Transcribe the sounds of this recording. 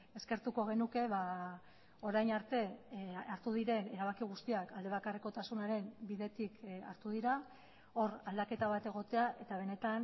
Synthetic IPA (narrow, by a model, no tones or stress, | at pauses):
e̞ske̞ɾt̪uko̞ɣ̞e̞nuke̞βa | o̞ɾajnaɾt̪e̞aɾt̪uðiɾe̞ne̞ɾaβ̞akiɣ̞ust̪iakald̪e̞β̞akariko̞t̪asunaɾe̞mbiðe̞t̪ika̰ɾt̪uðiɾa | o̞ɾald̪ake̞t̪aβat̪e̞ɣ̞o̞t̪e̞aʔe̞t̪aβ̞e̞ne̞t̪an